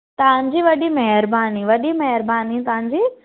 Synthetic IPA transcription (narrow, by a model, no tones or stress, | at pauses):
t̪ɐʋ̤ãɲ̆d͡ʑiʋɐɗimɐɦɪɾbaːniʋɐɗimɐɦɪɾbaːnit̪ɐʋ̤ãɲd͡ʑiː